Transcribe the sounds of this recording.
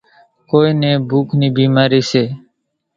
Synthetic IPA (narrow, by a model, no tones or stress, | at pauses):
koːiːnẽːbʱuːkʰniːbiːmaːɾiːseː